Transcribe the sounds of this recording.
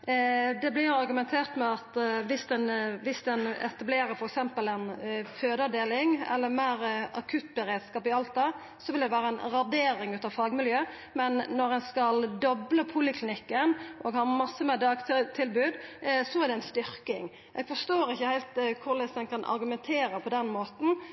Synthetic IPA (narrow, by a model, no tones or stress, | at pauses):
d̪ɛblɪɑɾɡʉmɛnt̪ʰeːɾt̪mɛɑt̪ʋɪsd̪ɛnʋɪsd̪ɛnɛ̰t̪ɑbleːɾəɾfɔɾɛksɛmpəlɛnføːd̪ɑd̪eːlɪŋɛ̰lːəɾmæɪɾʔɑkʰʉt̪bɛɾeːd̪skɑːpɪɑlt̪ɑ | sɔʋɪld̪ɛʋæːɾəɛnʁɑd̪eːɾɪŋʉːt̪ɑʋfɑːɡmɪljøː | mɛnːɔɾɛnskɑld̪ɔbləpʰuːlɪkʰlɪnɪkːənʔɔːɡhɑːɾmɑsːəmɛd̪ɑːɡt̪ʰt̪ʰɪlbʉːd̪sɔæɾd̪ɛɛnst̪ʏɾkɪ̰ŋ | ʔɛːɡ̥fɔʂt̪oːɾɪçːəhæɪlt̪kʰʊɾlɛsɛnkʰɑnʔɑ̰ɾɡʉmɛnt̪ʰeːɾəpʰɔd̪ɛnmoːt̪n̩